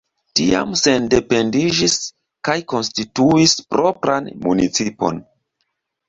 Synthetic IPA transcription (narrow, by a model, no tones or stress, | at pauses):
tia̰mse̞nde̞pe̞ndid͡ʒis | kajko̞nstituispɾʔo̞pɾanmunit͡sipo̞̰n